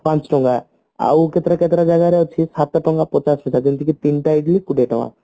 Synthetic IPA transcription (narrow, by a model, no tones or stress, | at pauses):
pãnt͡ʃʈɔŋɡa | a̰wket̪ɾaket̪ɾad͡ʒaɡaɾɛot͡ʃʰisat̪ːaʈɔŋɡapɔt͡ʃasɦɔt͡ʃʰakint̪ikit̪inʈaiɡlikuʈeʈɔ̃ŋa̰